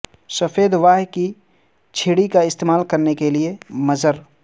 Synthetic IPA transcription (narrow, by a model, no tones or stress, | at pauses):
sɐfeːd̪ʋaːɦki | t͡ʃʰeːɽikaɪst̪eːmaːlkɐɾnekeliemɐzəɾ